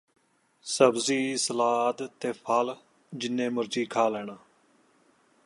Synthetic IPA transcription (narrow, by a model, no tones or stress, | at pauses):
səbziːsəlaːd̪t̪eːpʰəl | d͡ʒɪnːẽːmʊɾd͡ʒiːkʰaːlɛːɽaː